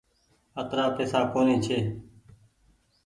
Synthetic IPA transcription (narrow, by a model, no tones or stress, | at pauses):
ət̪ɾaːpeːsaːkoːnẽːt͡ʃʰeː